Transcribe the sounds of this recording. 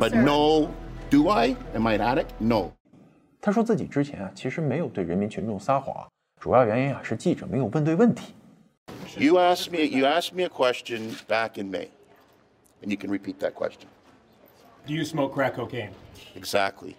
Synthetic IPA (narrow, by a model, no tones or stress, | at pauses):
b̥ʌtⁿnoʊd̥əaɪɨ̃maɪɾæɾɨk̚noʊ | t̪ʰaʂ̬wɔt͡sɹ̩t͡ɕḭʈ͡ʂɻ̩t͡ɕʰjɛ̰nat͡ɕʰiʂɻ̩meɪjoʊt̪weɪɻənmint͡ɕʰynʈ͡ʂʊŋsaxwa̰ | ʈ͡ʂujɑʊɥɛninaʂɻ̩t͡ɕiʈ͡ʂɤmeɪjowfət̪weɪwənt̪ʰi̥ | jɨæskmiɨjɨæsk̚miɨkʰw̥ɛst͡ʃɨ̃nb̥ækɨ̃nmḭɪ | ɨ̃njɨkʰɨ̃nɹɨpʰit̪̚ðɨt̚kʰw̥ɛ̰st͡ʃɨ̃n | d̥ɨjɨsmoʊkʰɹ̥ækʰoʊkʰẽɪ̃mɨɡzæk̚tʰˡlḭ